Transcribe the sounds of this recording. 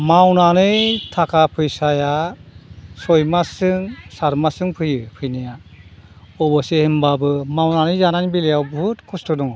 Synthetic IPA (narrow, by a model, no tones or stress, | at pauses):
mawnanɯjtʰakʰapʰɯjsaja | sɔjmasɯŋsaɾmasɯŋpʰɯjɯpʰɯjnija | ɔbɔsehimbabɯmawnanɯjzananbilejawbutkʰustɔdɔŋ